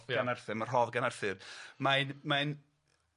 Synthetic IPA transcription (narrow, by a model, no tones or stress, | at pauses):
anarθɨmər̥ɦɔðɡanarθɨrmajnmajn